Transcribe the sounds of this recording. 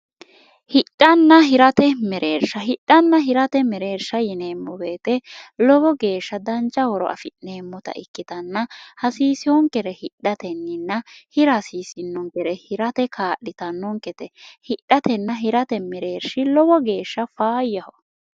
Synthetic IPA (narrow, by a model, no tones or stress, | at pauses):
hɪɗːɐnːɐɦɪɾɐt̪ɛmɛɾʔe̞ːɾʃɐɦɪɗːɐnːɐɦɪɾɐt̪ɛmɛɾe̞ːɾʃɐjɪne̞ːmːɔbeːt̪ɛlɔbɔɡe̞ːʃːɐd̪ɐnt͡ʃʼːɐwɔɾɔ̰ʔɐ̰fɪneːmːɔt̪ɐ̰ʔɪkːɪt̪ɐnːɐhɐsiːsɪwɔŋkʼɛɾɛhɪɗːɐt̪ɛnːɪnːɐhɪɾɐsiːsɪnːɔŋkʼɛɾɛhɪɾɐt̪ɛkʰaːʔːɪt̪ɐnːɔŋkɛt̪ɛhɪɗːɐt̪ɛnːɐɦɪɾɐt̪ɛmɛɾe̞ːɾʃɪlɔbɔɡe̞ːʃːɐfaːjːɐhɔ